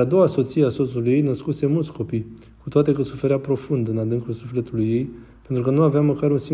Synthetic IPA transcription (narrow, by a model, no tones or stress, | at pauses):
ad̪o̞waso̞t̪sieaso̞t̪suluje̞jnəskuse̞mult̪sko̞pij | kut̪oat̪e̞kəsufe̞ɾeapɾo̞fund̪ɨnad̪ɨŋkulsufle̞t̪ulujːe̞j | pent̪ɾukənuaveaməkaɾunsi